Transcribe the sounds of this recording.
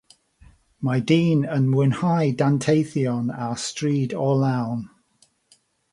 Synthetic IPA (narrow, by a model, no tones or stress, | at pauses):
majdiːnənmwɪnhajdantʰejθjɔnastriːdɔlawn